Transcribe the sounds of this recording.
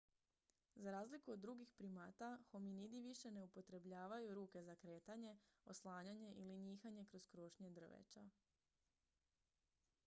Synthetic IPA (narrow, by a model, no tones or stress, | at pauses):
zaɾaːzlikuod̪ːɾuɡixpɾimat̪axo̞minid̪iʋiʃe̞ne̞upo̞t̪ɾe̞bʎaːʋajuɾuːke̞zakɾe̞ːt̪aɲe̞o̞slˠaːɲaɲe̞ʔiliɲiːxaɲe̞kɾo̞z̥kɾo̞ʃɲe̞d̪r̩ʋḛt͡ʃa̰